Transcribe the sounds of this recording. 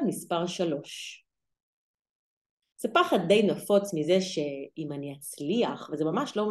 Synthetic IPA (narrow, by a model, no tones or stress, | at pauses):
mispaʁʃalo̞ʃ | z̥epaχad̚dːejnafo̞t͡smizeʃeimaniat͡sliaχvezemamaʃlo